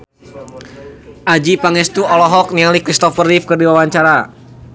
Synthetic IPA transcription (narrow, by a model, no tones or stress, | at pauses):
ʔad͡ʒipaŋɛst̪uɔlɔɦɔk̚nialikɾist̪ɔfərifkərdiwawaɲt͡ʃaɾa